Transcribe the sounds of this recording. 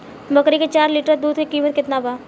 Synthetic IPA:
bɐkɾiket͡ʃaːɾliːʈəɾd̪uːd̪̚kekiːmət̪̚kɪt̪nabaː

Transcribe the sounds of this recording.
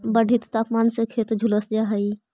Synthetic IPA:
bəɖʱit̪t̪aːpmaːnsekʰeːt̪d͡ʒʱuləsd͡ʒaːɦəi

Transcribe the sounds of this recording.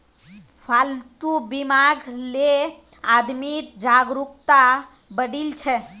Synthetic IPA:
bʰʱalt̪ubimaɡle | ad̪mit̪d͡ʒaɡɾukt̪a | bəɽilt͡ʃʰɛ

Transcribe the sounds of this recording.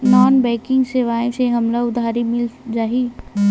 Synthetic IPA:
naːnbɛ̃ːkɪ̃ŋɡseːʋaːẽseɦɐmlaʊd̪ʱaːɾimɪld͡ʒaːɦi

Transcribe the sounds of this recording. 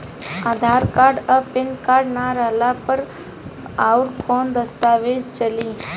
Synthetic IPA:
aːd̪ʱaːɾkaːɾɖəpɪnkaːɾɖnaɾəɦlapəɾ | aːʊɾkʰoːnd̪əst̪aːʋeːd͡ʒt͡ʃəliː

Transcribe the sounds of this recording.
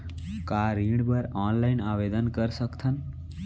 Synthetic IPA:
kaɾĩɽbəɾɔːnlainaʋed̪ənkəɾsəkt̪ʰən

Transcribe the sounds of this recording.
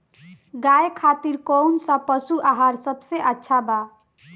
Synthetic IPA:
ɡajkʰat̪iɾkownsãpəsuʔaɦaɾsəbseʔətːʃʰaba

